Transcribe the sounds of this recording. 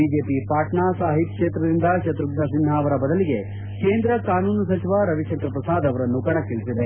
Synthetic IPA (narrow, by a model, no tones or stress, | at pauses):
iːd͡ʒeːpipaːʈɳaːsaːɦit̪kʂeːt̪ɾɐd̪ind̪ɐʃɐt̪ɾuɡnɐsin̤ːaːʋɐɾɐbɐd̪ɐliɡe̞ | keːnd̪ɾɐkaːnuːnɐsɐt͡ʃʰiʋaɾɐʋiʃɐnk̪ɾɐpɾɐsaːd̪ɐʋɐɾɐnːukɐɽɐkiɭsid̪e